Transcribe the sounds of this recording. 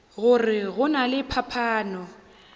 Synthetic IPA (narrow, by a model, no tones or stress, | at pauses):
ɣʊrɪɣʊnalɪpʰapʰaːnɔ